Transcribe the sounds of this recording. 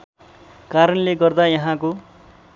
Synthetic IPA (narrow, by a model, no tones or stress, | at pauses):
kaɾʌnleɡʌrd̪ajʌɦãko